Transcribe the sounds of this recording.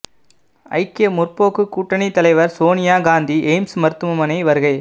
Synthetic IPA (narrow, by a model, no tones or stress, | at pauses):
ɐ̰ɪkːemʊrpoːkːɯkːuːʈːɐɳit̪ːɐlɐɪʋɐɾsoːnɪjaːɡaːnd̪iʔeːmsmɐɾɯt̪ːɯmɯmɐnɐɪʋɐɾɯɣɐɪ